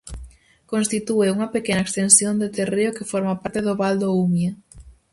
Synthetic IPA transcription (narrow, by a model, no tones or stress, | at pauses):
konst̪it̪ueuŋɐpekenɐekst̪ensjond̪et̪ereokɪfɔɾmapaɾt̪eðoβald̪oumje